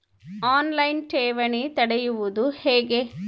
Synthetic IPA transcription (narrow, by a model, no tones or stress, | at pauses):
aːnlɐjnʈeːʋɐɳit̪ɐɽɛjuʋud̪uheːɡe